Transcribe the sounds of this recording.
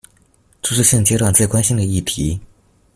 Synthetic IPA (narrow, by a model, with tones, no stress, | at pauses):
ʈ͡ʂu˥ʂɻ̩˥˧ɕə˥˧ŋt͡ɕjɛ˥t̪wa˥˨˩nt͡swe˥˩ɪkwa˥nɕi˥ŋd̪ə˨i˥˩t̪ʰi˧˥